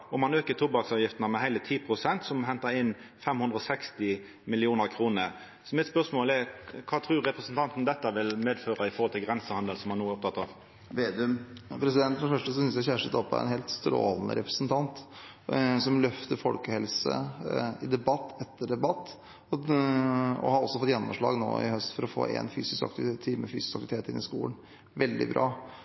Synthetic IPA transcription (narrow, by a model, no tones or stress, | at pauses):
ɔmɑnøːkət̪ʰʊbɑksɑːʋjɪft̪nəmɛɦæɪlət̪ʰiːpʰɾʊsɛnt̪sɔmɦɛnt̪əɾɪnːfɛmhʉnd̪ɾɔsɛkst̪ɪ | mɪlɪuːnəɾkʰɾuːnəɾ | sɔmɪt̪spœʁʂmoːlɛkʰɑːt̪ʰɾʉːɾɾɛpɾəsn̩t̪ʰɑnt̪n̩d̪ɛt̪ːəʋɪlmeːd̪føːɾɑɪfɔʁhɔlt̪ʰɪlɡɾɛnsəhɑnd̪əlsɔmhɑnuːæɾɔp̚t̪ʰɑt̪ːɑʋ | ʋeːd̪ʉpʰɾɛsɪd̪ɛnt̪fɾɔnfœʂʈəsɔsʏnsjæçæːʂʈət̪ɔpːɑ̰ɛ̰neːlt̪st̪ɾo̰ːlnə̰ɾɛpɾəsnt̪ʰɑnt̪ | sɔmlœft̪əɾfɔlkəhɛlsə̰ɪd̪ɛbɑt̪ːɛt̪ːəɖɛbɑt̪ː | ɔ | ɔ̰hɑɾɔsːɔfɔt̪ːjɛnːɔmʂɭɑ̰ːɡno̰ːɪ̰hœst̪fɔɾɔfo̰ːḛːnfy̰ːsɪskɑ̰k̚t̪t̪ʰiːməfyːsɪ̥skɑk̪ɪt̪eːt̪ɪ̰nːɪskṵːən | ʋɛld̪ɪ̰bɾɑ̰ː